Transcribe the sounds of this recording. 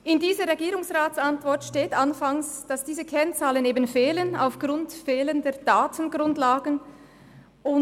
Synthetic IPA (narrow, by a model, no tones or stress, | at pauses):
ʔɪndiːzəʁɛɡiːʁʊŋsʁaːtt͡santv̥ɔɐtʃteːtanfaŋsd̥ɑsd̥iːzəkʰɛnt͡saːləneːbənfeːləna̰ʊfɡ̥ʁʊntfeːləndɛːɐdaːtʰən̩ɡʁʊndlaːɡən | ʊn